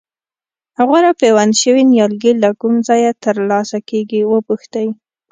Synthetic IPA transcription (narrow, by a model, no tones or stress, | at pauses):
haɣuɾapewanʃəwinjɑlɡilakumzɑjat̪əɾlɑsakeɡiwəpuxt̪aji